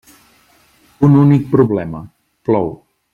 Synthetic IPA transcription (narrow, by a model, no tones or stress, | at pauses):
ununik̚pɾuβlɛmə | plɔw